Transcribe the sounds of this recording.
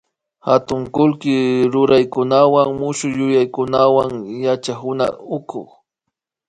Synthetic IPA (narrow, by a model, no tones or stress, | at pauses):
xat̪ʊŋkʊlkɪɾʊɾajkʊnawaŋmʊʃʊjʊjajkʊnawaŋjat͡ʃahʊna̰ʊkʊ̰χ